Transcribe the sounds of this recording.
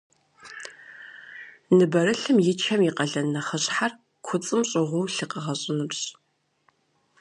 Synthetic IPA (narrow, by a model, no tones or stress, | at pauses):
nɨbɐrɨɬɨmjɪt͡ʃʰɐmiqɐɮɐnɐχəɕʼħar | kʷʰʊt͡sʼɨmɕʼɪʁʷʊwɬɨqəʁɐɕʼɪnɨbɕ